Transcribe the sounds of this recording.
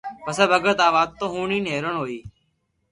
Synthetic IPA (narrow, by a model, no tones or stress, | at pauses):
pəsẽːbəɡəɾt̪aːʋaːd̪̚t̪ːõːɦũːɳiːneːɾəɳɦoːiː